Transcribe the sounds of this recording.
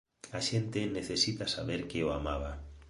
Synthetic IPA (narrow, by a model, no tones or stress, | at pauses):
aʃent̪eneθesit̪asaβeɾkeoa̰ma̰βa